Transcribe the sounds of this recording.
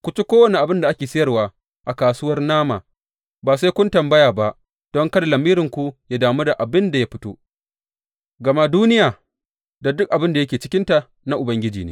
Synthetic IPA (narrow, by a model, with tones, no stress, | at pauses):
kʷʊ˦t͡ʃi˦kʷoː˦wɐ˨ne˨ʔa˨bɪ˦nda˨ʔa˦kʲeː˨sɪ˦jɐ˦rwaː˦ | ʔa˨kaː˨sʊ˦wɐ˦rnaː˦ma̰ː˨ | baː˨sa˦kʷʊ˦ntɐ˨mbɐ˦jaː˨ba˦ʔ | d̥ɔ˦ŋkɐ˦da˨lɐ˨miː˦ɾɪ˨ŋkʷu˦jaː˦daː˨mu˦da˨ʔa˨bɪ˦nda˨ja˦ɸɪ˦to̰ː˦ | ɡɐ˨ma˦duː˦nɪ˦jaː˨ | da˨dʊ˦k̚ʔa˨bɪ˦nda˨jɐ˦kʲeː˨t͡ʃɪ˦kʲɪ˦nta˨ | na˦ʔʊ˨bɐ˦ŋɡʲɪ˦d͡ʒiː˨nḛː˦